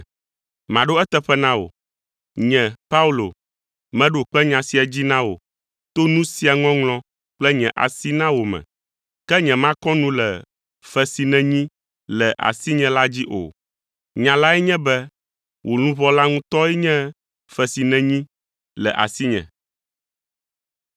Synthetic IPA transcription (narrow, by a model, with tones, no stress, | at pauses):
mã˨ɖo˦ɛ˦t̪ɛ˦ɸɛ˦nã˦wo̰˨ | ɲɛ̃˨pa˦u˦lo˨ | mɛ̃˦ɖo˨k͡pɛ˦ɲã˨si˦a˨d͡ʑi˦nã˦wo̰˨ | t̪o˦nũ˦si˦a˨ŋɔ̃˦ŋlɔ̃˦ | k͡plɛ˦ɲɛ̃˨ʔa̰˨si˦nã˦wo˨mɛ̰̃˨ | kɛ˦ɲɛ̃˨mã˦kɔ̃˦nũ˦lɛ˨ | fɛ˨si˨nɛ̃˨ɲĩ˦ | lɛ˨ʔa̰˨si˦ɲɛ̃˨la˦d͡ʑi˦ʔo̰˨ | ɲã˨la˦ɛ˦ɲɛ̃˦bɛ˦ | wʔo˨nũ˦βɔ˦la˦ŋũ˦t̪ɔ˦ɛ˦ɲɛ̃˦ | fɛ˨si˨nɛ̃˨ɲĩ˦ | lɛ˨ʔa̰˨si˦ɲɛ̰̃˨